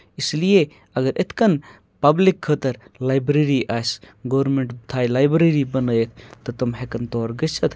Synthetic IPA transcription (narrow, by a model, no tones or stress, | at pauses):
islije | ɐɡɐɾʔet̪kɐn | pɐblikʰːət̪ɐɾlajbɾeɾiʔajs | ɡɔwɾmeɳʈbt̪ʰajlajbɾeɾibənəjet̪ʰt̪ɔt̪ɔmɦekɐnt̪ɔɾɡət͡ʃʰɐt̪ʰ